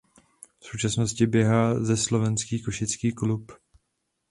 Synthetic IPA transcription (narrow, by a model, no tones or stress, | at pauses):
fsowt͡ʃasno̞scɪbjɛɦaːzɛslo̞vɛnskiːkoʃɪt͡skiːklup